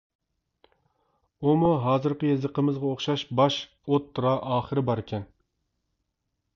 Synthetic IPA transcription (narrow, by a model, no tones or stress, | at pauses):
umuɦɑːzɨɾqəjezəqʰəmɨzʁɑoχʃɑʃbɑʃ | ot̪ʰːuɾɑʔɑːχəɾɪbɑɾɪkʲʰɛn